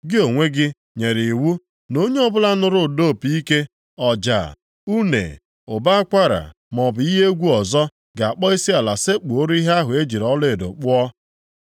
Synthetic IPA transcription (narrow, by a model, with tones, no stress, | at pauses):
ɡɪ˦o˨ŋʷe˦ɡɪ˦ | ɲe˨ɾi˨wu˦ | no˦ɲe˦ɔ˦bʊ˦la˦nʊ˨ɾʊ˨do˦˨pi˦ke˦ | ɔ˨d͡ʒa̰˨ | u˦nḛ˨ | ʊ˨ba˦a˦kʷa˦ɾa̰˨ | m˨ɔ˨bʊ˨i˦ɦe˦ɡʷu˦ɔ˨zɔ˦ | ɡa˨a˨k͡pɔ˦i˦si˦a˨la˨se˦k͡pu˨o˦ɾi˦ɦa˦ɦʊ˨e˦d͡ʒi˨ɾɔ˦le˦e˨do̰˨k͡pʊ˦ɔ˦